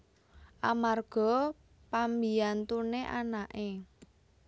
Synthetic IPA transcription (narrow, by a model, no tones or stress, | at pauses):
ʔamarɡ̥ɔ̤ | pambiant̪uneʔa̰naʔe